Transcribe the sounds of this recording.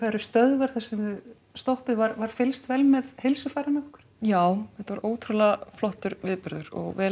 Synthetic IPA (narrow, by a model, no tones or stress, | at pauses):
kʰaɾʏst̪œðvɛɾ̥θasɪnɪ | st̪ohpɪðvaɾvaɾ̥fɪlst̪vɛlmɛðhɪlsʏfajɾanaʏhkʏ̥ɾ̥jaːwɛht̪avaɾʔoːwt̪ʰɾʏlaflɔht̪ʏɾvɪðpɪɾðʏɾɔ̰ɣvɛː